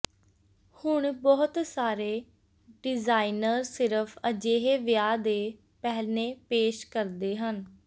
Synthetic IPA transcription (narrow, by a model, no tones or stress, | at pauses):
hʊɳbɔːʊt̪saːɾeː | ɖɪzaːinəɾsɪɾəfʰəd͡ʒeːɦeːʋjaːd̪eː | pɛɦlnẽːpeːʃkəɾd̪eːɦən